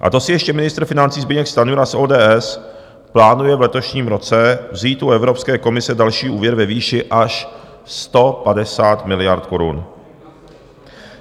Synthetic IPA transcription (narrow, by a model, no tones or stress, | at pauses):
ʔa̰t̪o̞sɪjɛʃcɛmɪnɪst̪ɾ̩fɪnant͡siːzbɪɲɛkst̪anuɾasʔoːdɛːɛs | plaːnujɛvlɛt̪oʃɲiːmɾo̞t͡sɛvziːt̪uɛvɾopskɛːko̞mɪsɛdalʃiːʔuːvjɛɾvɛviːʃɪʔaʃ | st̪o̞padɛsaːt̪mɪlɪjaɾt̪ko̞ɾṵn